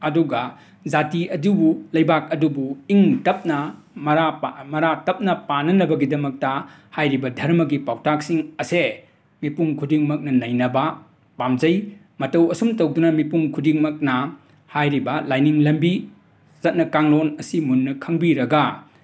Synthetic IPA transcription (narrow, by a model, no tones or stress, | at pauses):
ɐduɡɐ | zatiɐdubulɐjbak̚ɐdubuiŋtɐp̚nɐ | mɐɾamɐɾatɐp̚nɐpanɐnɐbɐɡidɐmɐk̚tɐ | hajɾibɐdʱɐɾmɐɡipawtak̚siŋɐse | mipuŋkʰudiŋmɐk̚nɐnɐjnɐbɐ | pamd͡ʒɐj | mɐtɐwɐsumtɐwdunɐmipuŋkʰudiŋmɐk̚nɐ | hajɾibɐlajniŋlɐmbi | zɐt̚nɐkaŋlonɐsimunːɐkʰɐŋbiɾɐɡɐ